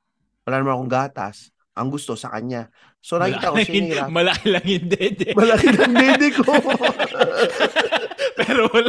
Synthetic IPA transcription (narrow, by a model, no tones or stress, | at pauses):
wɐlaːnmankoŋɡaːt̪ɐ̰s | ʔɐŋɡʊst̪o̞sɐkɐ̰ɲa | so̞nɐkiit̪akosɐiːɾmɐlɐkɪlɐŋjɪnd̪ɛːd̪ɛmɐlɐkilɐŋd̪ɛd̪ɪko | pɛːɾowɐl